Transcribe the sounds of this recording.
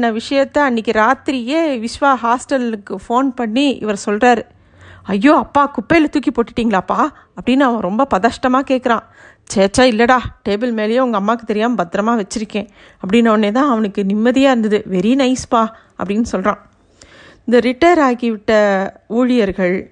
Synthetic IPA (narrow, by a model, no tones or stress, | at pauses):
nːɐʋɪʂɐjɐt̪ːɐɐnːɪkːɯɾaːt̪ɾɪjeːʋɪʂʋaːɦaːsʈɐlɯkːɯfoːnpɐɳːiɪ̰ʋɐɾsɔlraːɾɯ | ɐjːoːɐpːaːkʊpːɐlɐt̪uːkːipoːʈːɪʈːiːŋɡɐɭaːpːaː | ɐpːɐɽɪnːɯɐʋãːɾɔmbɐpɐðaːʂʈɐmaːkeːʈkːɐɾãː | t͡ʃeːt͡ʃːaːɪlːɐɽaːʈeːbɪlmeːlɐjẽːʊŋɡɐmːaːkːɯt̪ɛɾɪjaːmbɐt̪ːɾɐmaːʋɛt͡ʃːɪɾɯkːẽː | ɐpːɐɽɪnːɐʋɐnːeːt̪ãːɐʋɐnɯkːɯnɪmːɐðɪjaːɪɾɯnd̪ɐðɯʋɛɾinɐɪspaː | ɐpːɐɽɪnːɯsɔlɾãː | ɪnd̪ɐɾɪʈːɐːɾaːkɪʋɪʈːɐuːɻɪjɐɾɣɐɭ